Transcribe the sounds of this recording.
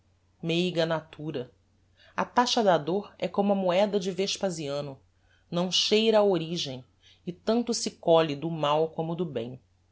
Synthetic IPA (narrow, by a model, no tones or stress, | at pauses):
mejɡɐnat̪ʰuɾɐ | ɐt̪aʃɐd̪ad̪oɾɛkõmʊɐmuɛd̪ɐd͡ʒɪveʃpaziɐ̃nʊ | nɐ̃w̃ʃejɾɐːoɾiʒẽj̃ | ɪt̪ɐ̃nt̪ʊsɪkɔlid̪ʊmawkõmʊd̪ʊbḛ̃j̃